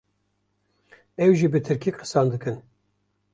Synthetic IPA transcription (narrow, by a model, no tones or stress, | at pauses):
ɛwʒibɨt̪ʰɨɾkʰikqɨ̥sɑːnd̪ɨkɨn